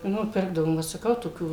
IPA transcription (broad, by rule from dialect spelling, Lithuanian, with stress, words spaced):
ˈnʊ ˈpʲɪrɡdɐʋoːm ʋɐt sɐˈkɐʊ toːˈkʲuː